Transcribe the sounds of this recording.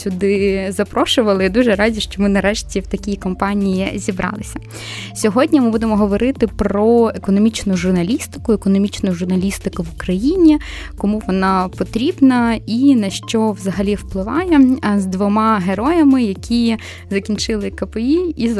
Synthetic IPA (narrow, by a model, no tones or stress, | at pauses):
sʲʊd̪ɪzɐpɾɔʃʊʋɐlˠɪd̪uʒɛɾɑzʲiʃt͡ʃɔmɪnɐɾɛʃtʲiwt̪ɐkʲijikɔmpɑnʲijizʲibɾʔɑ̰lˠɪsʲɐ | sʲɔɦɔdʲnʲimɪbud̪emɔɦɔʋɔɾɪt̪ɪpɾɔekɔnɔmʲit͡ʃnʊʒʊrnɐlʲist̪ɪ̥kʊɛkɔnɔmʲit͡ʃnʊʒʊrnɐlʲist̪ɪkʊʋʊkɾɐjinʲi | kɔmuʋɔnɑpɔt̪ɾʲibnɐinɐʃt͡ʃɔʋzɐɦɐlʲiwplˠɪʋɑjɛzd̪ʋɔmɑɦeɾɔjɐmɪjɐkʲʰi | zɐkʲinʲt͡ʃɪlˠɪkɐpeii